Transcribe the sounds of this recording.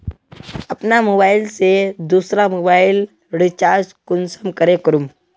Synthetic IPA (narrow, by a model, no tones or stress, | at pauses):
ɐpnamoːbaːɪlsed̪uːsɾamoːbaːɪl | ɽit͡ʃaːd͡ʒkʊnsəmkəɾekəɾum